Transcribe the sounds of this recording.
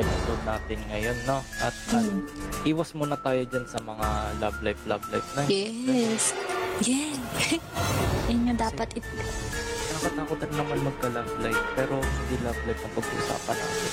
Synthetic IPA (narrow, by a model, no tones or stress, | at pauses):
ɐlɐt̪od̪̚naːt̪ɪnŋɐjo̞nːo̞ʔɐt̪̚ʔɐʔiːwɐsmonɐt̪aːjod͡ʒansɐmɐŋalablajflabla̰jfnɐjjɛsjɛn | ɐjɲod̪aːpɐt̪ʔɪt̪ | nɐkɐt̪aːkot̪ɐɾɪnɐmanmɐɡ̚kɐlablajfpɛːɾo̞hɪnd̪ilablajfɐpɐɡṵʔʊ̰sa̰ːpɐ̰nɐ̰